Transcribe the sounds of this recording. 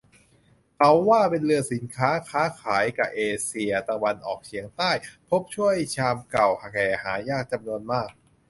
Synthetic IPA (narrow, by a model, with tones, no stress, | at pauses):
kʰa˨˦˥wːaː˥˩pe˧nlɯ˧ɐsi˩˦nkʰaː˦˥kʰaː˦˥kʰaː˩˦jka˨˩ʔeː˧si˧ɐt̪a˧wa˧nʔɔ̰ː˨˩k̚t͡ɕʰi˨˩˦əŋt̪aː˥˩jpʰo˦˥p̚t͡ɕʰu˥˩əjt͡ɕʰaː˧mka˨˩wha˧˩kɛː˨˩haː˩˦jaː˥˩k̚t͡ɕa˧mnu˧ənmaː˥˩k̚